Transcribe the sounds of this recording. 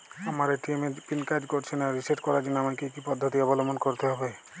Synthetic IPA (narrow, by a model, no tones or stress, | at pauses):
amaɾeʈimepinkad͡ʒkoɾt͡ʃʰinaɾiseʈkɔɾad͡ʒinamakekipɔd̪ʱːɔt̪iɔbɔlɔmɔnkɔɾt̪eɦɔbe